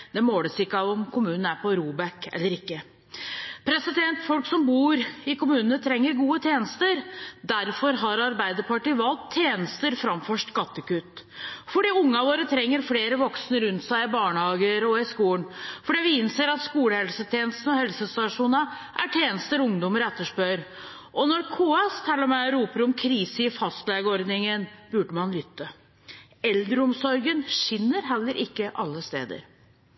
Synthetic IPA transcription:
d̪̥ɛmoːləsɪkːəɑʋɔmkʰʊmʉːnn̩æɾpʰɔɾuːbɛkɛ̰lːəɾɪkːə | pʰɾɛsɪd̪ɛnt̪fɔlksɔmbuːɾɪkʊmʉːnənət̪ʰɾɛŋːəɾɡuːət̪ʰjeːnəst̪əɾd̪æɾfɔɾɦɑɾɑɾbæɪd̪əɾpʰɑʈɪʋɑlt̪ʰːjeːnəst̪əɾfɾɑmfɔʂɡɑt̪ːəkʉt̪ː | fɔɖiːʊŋːɑʋoːɾət̪ʰɾɛŋːəɾfleːɾəʋɔksnəɾʉnt̪sæɪɪbɑːɳəhɑːɡəɾɔɪskuːənfɔɖiːʋɪɪnseːɾɑt̪skuːləhɛlsət̪ʰeːnəst̪n̩ɔhɛlsəst̪ɑʂuːnə | ʔæʈʰeːnəst̪əɾʊŋd̪ɔməɾɛt̪ːəʂpœɾ | ʔɔnɔɾkʰuːɛst̪ʰɛlːəmɛɔɾuːpəɾɔmkʰɾiːsəɪfɑst̪lɛɡɔɾd̪nɪŋənbʉːɖəmɑnlʏt̪ːə | ɛld̪ɾəʊmsɔɾɡənʃɪnːəɾɦɛlːəɾʔɪkːəʔɑlːəst̪ḛːd̪ə̰ɾ

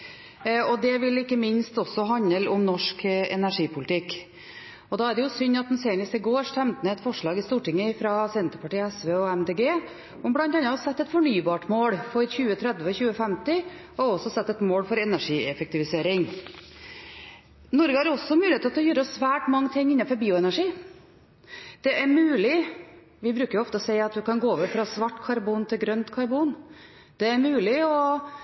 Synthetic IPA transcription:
ɔd̪ɛʋɪlːɪkːəmɪnst̪ɔsːɔɦɑnːəlʊmnɔʂkɛ̰næʂiːpʰʊlɪt̪ɪkː | ɔd̪ɑːæɾɖɛjʊsʏnːɑt̪d̪ɛnseːəɳəst̪əɡoːʂt̪ɛmt̪məɛt̪fɔʂɭɑːɡɪst̪uːʈɪŋːəfɾɑsɛnt̪əpʰɑʈiːəɛsʋeːɔɛmd̪eːɡeː | ɔmblɑnt̪ɑnːɑɑsɛt̪ːɛt̪fɔɳyːbɑːʈmoːɽfɔɾçʉːət̪ʰɾɛd̪ʋəçʉːəfɛmt̪ɪ | ɔɔsɔsɛt̪ːɛt̪moːlfɔɾɛnæʂiːɛfɛk̚t̪ɪʋɪseːɾɪŋ | nɔɾɡəhɑɾɔsːɔmʉːlɪeːt̪ɔt̪ʰɔjøːɾɔsʋæːʈmɑŋːət̪ʰɪŋːɪnɑfɔɾbiːʊɛnæʂiː | d̪̥ɛʔæɾmʉːlɪ | ʋɪbɾʉːkəɾjʊɔft̪əɔsɛɪɑt̪ʋ̪ɪkɑnɡoːɔʋəfɾɑsʋɑʈːkʰɑɾbuːnt̪ʰɪlɡɾœnt̪kʰɑɾbuːn | d̪̥ɛæɾmʉːlɪɔ

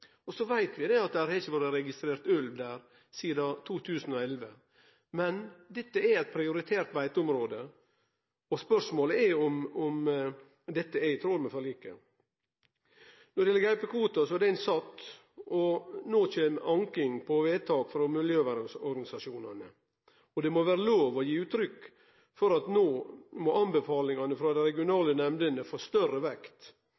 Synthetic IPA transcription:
ɔsɔʋæɪt̪ʋɪd̪ɛɑt̪̚d̪æhæɾhɛɪçəʋɔɾəɾɛɡɪst̪ɾeːɾt̪ʉlʋd̪æːɾ | siːd̪ɑt̪ʰuːt̪ʰʉːsən̩ɔɛlʋə | mɛnd̪ɛt̪ːəɛɾɛɪt̪̚pʰɾɪʊɾɪt̪ʰeːɾt̪ʋæɪt̪əʊmɾoːd̪ə | ɔspœʂmoːləɛɔmɔm | d̪ɛt̪ːəɛɪt̪ʰɾoːlmɛfɔɭiːkə̰ | nɔd̪ɛɪjɛləɡæɪpəkʰʋuːt̪ɑsɔɛɾɖ̪ɛɛnsɑt̪ː | ɔnoːçeːmʔɑŋkɪŋpʰɔʋeːt̪ʰɑːkfɾɔmɪljøːʋæɾɪsɔɾɡɑnɪsɑʂuːnɑnə | ɔd̪ɛmɔʋæːɾəloːʋɔjiːʉːt̪ːɾʏkː | fɔɾɑt̪noːmɔʔɑmbəfɑːlɪŋɑnəfɾɑːd̪ɛɾɛɡɪʊnɑːlənɛmd̪ənəfoːst̪œrəʋɛkt̪

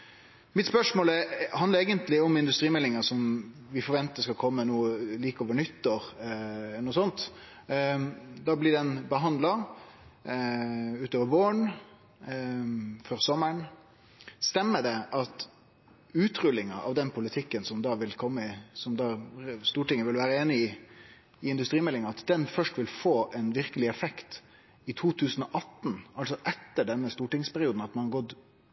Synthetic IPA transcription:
mɪt̪spœʂmoːlɛhɑnd̪əɾeːɡənt̪lɪɔmɪnd̪ʉst̪ɾiːmɛlːɪŋəsɔmʋɪfɔɾʋɛnt̪əskɑkʰɔmːənuːəliːkɔːʋəɳʏt̪ːəɾ | nuːsɔnt̪ | d̪ɑblɪɖɛnbəɦɑnd̪lɑ | ʉːt̪oːʋəboːəɳ | fɔɾsɔmːəɳ | st̪ɛmːəɖɛʔɑt̪ | ʉːt̪ɾʉlːɪŋɑʔɑʋd̪ɛnpʰʊlɪt̪ʰɪkːənsɔmd̪ɑːʋɪlkʰɔmːəɪsɔmd̪ɑːst̪uːʈɪŋːəʋɪlʋæːɾəeːnɪɪ | ɪɪnd̪ʉst̪ɾiːmɛlɪŋɑɑt̪d̪ɛnfœʂʈʋɪlfoːʔɛnʋɪɾkəlɪɛfɛkt̪ | ɪt̪ʰuːt̪ʰʉːsn̩ɔʔɑt̪ːn̩ɑlsɔʔɛt̪ːəɖɛnːəst̪uːʈɪŋspʰæɾɪuːd̪n̩ɑt̪mɑnɡɔd̪

